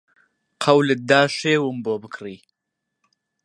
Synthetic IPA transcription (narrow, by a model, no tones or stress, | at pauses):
qʰɐwlɨd̪aːʃeːwəmboːbɨkʰɾiː